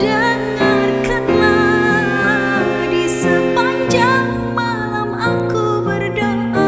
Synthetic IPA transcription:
daŋarkanla | a | disəpaɲd͡ʒaŋ | malamaku | bərdɔn

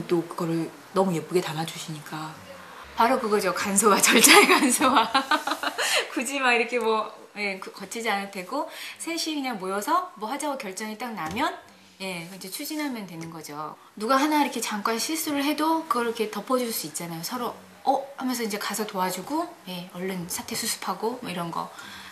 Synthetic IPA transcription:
t͈okɯɡʌɾɯɭ | nʌmujep͈uɡe̞tamad͡ʑuɕʰiɲik͈a | paɾokɯɡʌd͡ʑokansʰowat͡ɕʌɭt͡ɕ͈ʰaekansʰowa | kud͡ʑimaiɾʌkʰe̞mwʌ | je̞kkʌt͡ɕʰid͡ʑianɯntʰe̞ɡosʰeɕʰikɯɲaŋmojʌsʰʌmwʌɸad͡ʑaɡokjʌɭt͡ɕ͈ʌŋit͈aŋnamjʌn | je̞ind͡ʑe̞t͡ɕʰud͡ʑinɦamjʌndwenɯnɡʌd͡ʑo̰ | nuɡaɦanaiɾʌkʰet͡ɕaŋk͈wanɕʰiɭs͈uɾɯɭɦe̞dokɯɡʌkʰe̞tʌpʰʌd͡ʑuɭs͈uit̚t͡ɕ͈anajosʰʌɾo | ʌhampʰʌns̬ʰʌind͡ʑe̞kasʰʌtoad͡ʑuɡoje̞ʌɭːɯnsʰatʰe̞sʰusʰu̥pʰaɡomʌiɾʌnɡʌ̰

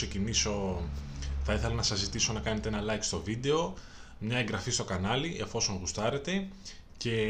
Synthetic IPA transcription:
seciniso̞ | θɐiθe̞lɐnɐsɐzːit̪iso̞nɐkɐne̞t̪eenɐlɐjkst̪o̞vid̪e̞o̞ | mɲɐe̞ŋɡɾɐfist̪o̞kɐnɐliʔefo̞so̞ŋɣust̪ɐɾe̞t̪e̞ | ce̞

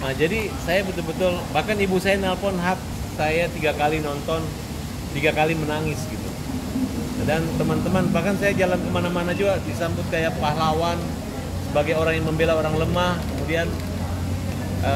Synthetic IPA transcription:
mad͡ʒadisajabət̪ʊlbət̪ʊlbahkanibusajanalfɔnɦak̚ | sajat̪iɡakalinɔnt̪ɔn | t̪iɡakalimənaŋɪsɡit̪u | dant̪əmant̪əmanbahkansajad͡ʒalankəmanamanad͡ʒuɡadisambʊt̪̚kajapahlawan | səbaɡajoɾaŋjaŋməmbelaoɾaŋləmahkəmudian | ʔə

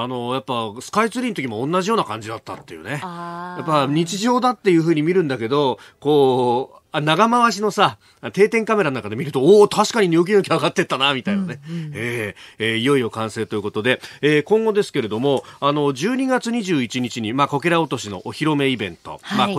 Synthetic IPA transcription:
ano̞japːasɨ̥kait͡sɨɾʲiːnt̪okʲimõ̞ːnːaʑijo̞ːnakãɲ̟d͡ʑid̪at̪ːa̰t̪ːe̞jɯ̰ne̞japːaɲ̟it͡ɕiʑo̞ːd̪at̪ːe̞jɯ̟ːɸɯ̟ːɲ̟imʲiɾɯ̟̃nd̪ake̞d̪o̞ko̞ː | anaɡamaβaɕ̬ino̞sa | t̪e̞ːt̪ẽ̞ŋkame̞ɾanakad̪e̞mʲiɾɯ̟t̪o̞oːt̪ʰaɕi̥kaɲ̟iɲʲook̬ʲinokʲiaɡat̪ːe̞t̪ːanamʲit̪ainane̞eːeːijo̞io̞kãɰ̃se̞ːt̪o̞jɯ̟ko̞t̪o̞d̪e̞eːkõ̞ŋɡo̞d̪e̞sɨ̥ke̞ɾe̞d̪o̞mo̞ano̞d͡ʑɨːɲ̟iɡat͡sɨɲ̟iʑɨːit͡ɕiɲ̟it͡ɕiɲ̟imako̞keɾao̞t̪o̞ɕino̞̰ʔoçiɾo̞me̞ibẽ̞nt̪o̞̰mao

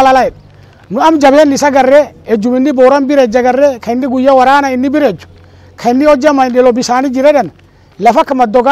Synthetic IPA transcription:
lalaɛɗ | nʊamd͡ʒabɛnːɪsaɡarːɛɛd͡ʒumɪnːibɔːɾambɪɾɛd͡ʒaɡɐrːɛkʰaɪnːiɡujːawaɾaːnaɪnːibiɾɛd͡ʒːu̥ | kʰaɪnːiɔd͡ʒamaɗɛlɔbisaːnid͡ʒiɾɛɗɛn | lɐfakːamɐd̪ɔɡa

